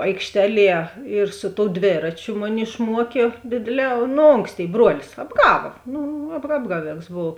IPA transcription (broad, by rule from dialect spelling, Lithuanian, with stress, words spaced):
ɐɪkʃʲˈtʲæːˌlʲiɛ ɪr sʊ toːʊ ˈdʲʋʲeːrɐt͡ʃʲʊ ˈmʊˌnʲɪ ɪʃˈmuɔkʲeː ˈdʲeːdʲeːˌlʲɛː nʊ ˈoːŋksʲˌtʲeːɪ ˈbruɔlʲɪs ɐbˈɡɑːʋɐ ˈnʊ ɐp ˈɑːbɡɐˌʋʲeːks ˈboːw